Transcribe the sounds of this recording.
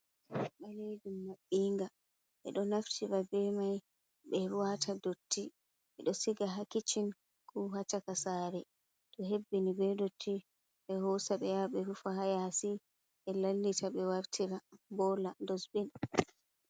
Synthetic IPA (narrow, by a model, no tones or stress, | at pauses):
ɓalid͡ʒumːaɓːiːŋɡa | ʔɛ̰ɗɔnaftʰibabɛmaj | ɓɛɾuwatʰadotʰːi | ʔɛɗɔsiɡaɦakit͡ʃin | kʰuɦat͡ʃakasaɾɛ | ɗɔɦebːinibɛdotʰːi | ɓɛhɔsaɓɛjaɓɛɾufahajasi | ʔɛlalːitʰaɓɛwaɾtʰiɾabɔlandɔsbin